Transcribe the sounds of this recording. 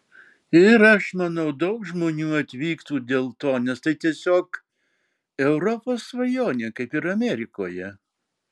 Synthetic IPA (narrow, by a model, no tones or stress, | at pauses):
ɪɪɾɐʃmɐnɐʊd̪ɒʊkʒmoːnʲuːɐt̪ʲʋʲiːkt̪uːd̪ʲeːlˠt̪oːnʲɛst̪ɐɪt̪ʲiɛsʲoːk | ɛʊɾɔpoːsʋɐjoːnʲeːkɐɪpɪɾɐmʲɛɾʲɪkoːjɛ